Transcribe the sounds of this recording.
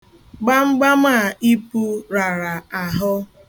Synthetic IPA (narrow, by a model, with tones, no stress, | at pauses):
ɡ͡ba˦ŋ͡m̩˦ɡ͡ba˦m̩a˦˨i˦pu˦ɾa˨ɾa˨a˨ɦʊ˦